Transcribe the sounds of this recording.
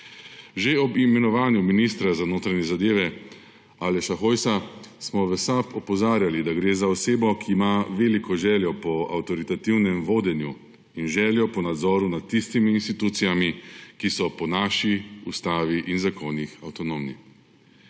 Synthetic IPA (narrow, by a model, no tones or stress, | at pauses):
ʒeɔbimɛnɔʋaːnjuminist̪ɾazanoːt̪ɾanjɛzad̪eːʋɛ | alɛʃaxoːjsasmɔʋɛsapɔpɔzaːɾjalid̪aɡɾeːzaɔseːbɔkʰiːmaʋeːlikɔʒɛːljɔpɔa̰wt̪ɔɾit̪at̪iwnɛmʋoːd̪ɛnju | inʒɛːljɔpɔnad̪zɔːɾunat̪ːist̪imiːnst̪it̪uːt̪sijamikisɔpɔnaʃiust̪aːʋiʔinzakonixawt̪ɔnoːmni